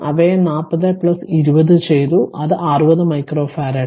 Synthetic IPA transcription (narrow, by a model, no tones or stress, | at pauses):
ɐ̰ʋenaːpːɐðɐpɭɐsiɾubɐðɨt͡ɕejt̪uʔɐðɨʔaːrubɐðɨmɐjkroːfʰɐːɾɐ